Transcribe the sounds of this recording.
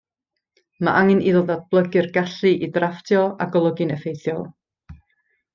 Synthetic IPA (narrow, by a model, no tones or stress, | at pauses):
maʔaŋɨniðɔlˠdad̚blˠəɡɪrɡaɬɨʔidraftʰjɔa̰ɡɔlˠɔɡɪnəfejθjɔlˠ